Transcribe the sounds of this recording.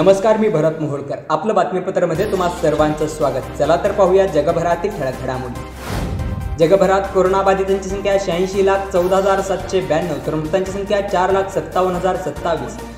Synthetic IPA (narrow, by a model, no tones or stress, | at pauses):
nəməskaɾmiːbʱəɾət̪muɦuɭkəɾapləːbat̪mipət̪ɾəməd̪ʱːjet̪um̤asːəɾʋant͡səsʋaɡət̪t͡səlat̪əɾpaɦujad͡ʑəɡəbʱəɾat̪ik̚ʈʰəɭəɡʱəɽamulḛ | d͡ʑəɡəbʱəɾat̪koɾonabad̪ʱit̪aɲt͡ɕisəŋkʰjaɕãĩɕilakʰt͡səwd̪ʱəɦəd͡zaɾsət̪ɕebænːəʋt̪əɾmukt̪ãɲt͡ɕasə̃ŋkʰjat͡ɕaɾlakʰsət̪ːaʋənɦəd͡zaɾsət̪ːaʋiːs